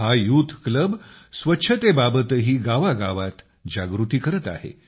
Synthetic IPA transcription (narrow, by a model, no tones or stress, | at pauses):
ɦajut̪ʰkləbsʋətːɕʰət̪ebabət̪əɦiːɡaʋaɡaʋat̪ | d͡ʑaɡɾut̪iːkəɾət̪a̰ɦḛ